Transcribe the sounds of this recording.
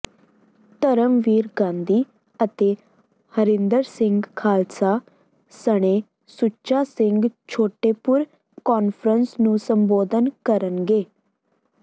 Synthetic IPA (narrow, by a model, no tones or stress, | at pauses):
t̪əɾəmʋiːɾɡãːnd̪iː | ət̪eː | həɾɪ̃nd̪əɾsɪ̃ŋɡkʰaːlsaː | səɽ̃eː | sʊt͡ʃaːsɪ̃ŋɡt͡ʃʰoːʈeːpʊɾ | kɔːnpʰəɾənsnũːsəmboːd̪ənkəɾənɡeː